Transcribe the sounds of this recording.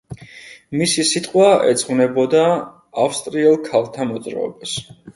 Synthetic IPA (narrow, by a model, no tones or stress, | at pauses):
misisit̪ʼqʼwaɛ̰t̪sʼqʼvnɛbɔd̪aː | fst̪ʼɾiɛlˠkʰalˠt̪ʰamɔt̪sʼɾa̰ɛ̰bas